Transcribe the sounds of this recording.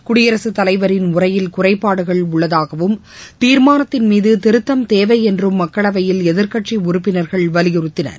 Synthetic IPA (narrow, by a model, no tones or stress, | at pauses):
kʊɽɪjɐɾɐsɯt̪ɐlɐɪʋɐɾɪnʊrɐjɪlkʊrɐɪpːaːɽɯɣɐɭʊɭːɐðaːɣɐʋɯm | t̪iːɾmaːnɐt̪ːɪnmiːðɯt̪ɪɾɯt̪ːɐmt̪eːʋɐɪɛndrɯmːɐkːɐɭɐʋɐjɪlɛðɪɾkɐʈt͡ʃiʊɾʊpːɪnɐɾɣɐɭʋɐlɪjɪrɯt̪ːɪnɐ̰ɾ